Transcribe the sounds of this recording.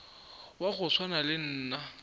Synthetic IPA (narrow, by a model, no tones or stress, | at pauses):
waɣʊswanalɪn̩ːna